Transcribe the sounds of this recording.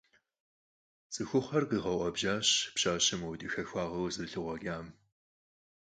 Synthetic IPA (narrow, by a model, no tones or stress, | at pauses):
t͡sʼɨxʷʊχʷɐrqiʁɐwʷʔʷɐbʒaːɕpɕaːɕɪmwdɨxɐxʷɑːʁɐwzɨrɬɨʁʷɔɡʲaːm